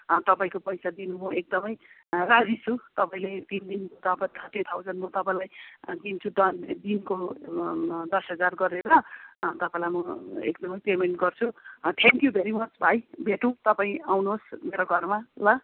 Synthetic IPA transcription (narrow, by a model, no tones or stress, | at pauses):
t̪ʌpaĩkopʌjsad̪inumʌek̚d̪ʌmʌj | rad͡zit͡sʰut̪ʌpaĩlet̪ind̪inkot̪apʌt̪ʰʌrʈit̪ʰawd͡zʌnmʌt̪ʌpãĩlajɡint͡sʰud̪ʌd̪inko | d̪ʌsɦʌd͡zarɡʌɾeɾʌt̪ʌpãĩlajmʌḛk̚d̪ʌmʌjpemeɳʈɡʌrt͡sʰut̪ʰeŋkjubʱeɾimʌt͡sbʱajbʱeʈũt̪ʌpaĩawnuɦosmeɾoɡʱʌrmalʌ